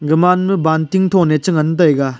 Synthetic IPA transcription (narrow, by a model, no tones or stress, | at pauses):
ɡɯmanmɯbantiŋt̪ʰonet͡ʃɯŋɐnɯt̬ɐjɡa